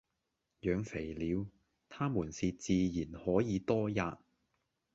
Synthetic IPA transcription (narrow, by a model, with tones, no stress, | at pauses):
jœː˨˧ŋfe˨˩jliː˨˧w | t̪ʰaː˥muː˨˩nsiː˨t͡siː˨˧jiː˨˩nhɔː˨˥jiː˨˧t̪ɔː˥jaː˧t̚